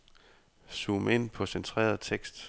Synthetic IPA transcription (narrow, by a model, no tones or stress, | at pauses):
suːme̝n̰pʰɒ̽sent͡sʰʁḛːɐð̩ˠt͡sʰeɡ̥sd̥